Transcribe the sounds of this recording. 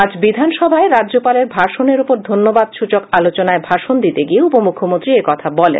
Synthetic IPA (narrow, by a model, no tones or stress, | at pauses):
ad͡ʑbid̪ʱanʃɔbʱaeɾaʑopaleɾbʱaʃoneɾupoɾd̪ʱonːobad̪ʃut͡ɕokalot͡ɕonaebʱaʃond̪it̪eɡieupomukʰomont̪ɾiekɔt̪ʰabɔlḛn